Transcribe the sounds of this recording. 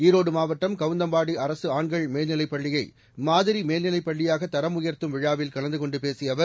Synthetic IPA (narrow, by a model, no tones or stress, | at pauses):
iːɾoːɽɯmaːʋɐʈːɐmkɐʋɯnd̪ɐmbaːɽiʔɐɾɐsɯaːɳɡɐɭmeːlnɪlɐɪpːɐɭːɪjɐɪ | maːðɪɾimeːlnɪlɐɪpːɐɭːɪjaːɣɐt̪ːɐɾɐmʊjɐɾt̪ɯmʋɪɻaːʋɪlkɐɭɐnd̪ɯkɔɳɖɯpeːsɪjɐʋɐ